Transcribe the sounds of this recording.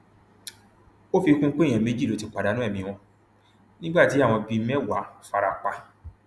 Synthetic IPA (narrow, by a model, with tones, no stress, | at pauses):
o˦fi˧kũ˦k͡pe˦˨j̃ɛ̃˨me˦d͡ʒi˦˨lo˨˦ti˨˧k͡pa˨da˨˦nũ˦ɛ˦˨mĩ˧w̃ɔ̃˧ | nĩ˦ɡ͡ba˦˨ti˨˦a˦˨w̃ɔ̃˧bi˧˦mɛ̃˦˨wa˨˦fa˧ɾa˨k͡pa˧